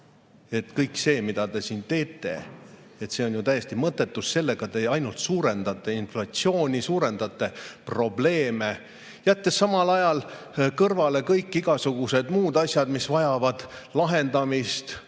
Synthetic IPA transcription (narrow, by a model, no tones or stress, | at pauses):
e̞t̪kɤjkse̞ːmid̪̥ɑt̪e̞siːnt̪e̞ːt̪ːˑe̞̰ | et̪se̞o̞njut̪æjːe̞st̪imɤt̪ːˑe̞t̪ːˑusse̞lːe̞ɡ̥ɑt̪e̞ːɑjnult̪suːɾe̞nd̪ɑt̪ːˑe̞inflɑt̪sio̞ːnʲisuːɾe̞nd̪̥ɑt̪ːˑe̞pro̞ble̞ːme̞ | jæt̪ːesːɑmɑlɑjɑl | kɤrvɑle̞kɤjkːˑiɡ̥ɑsuɡ̥use̞d̪muːd̪ɑsʲjɑd̪̥misvɑjɑvɑd̪̥lɑɦe̞nd̪ɑmist̪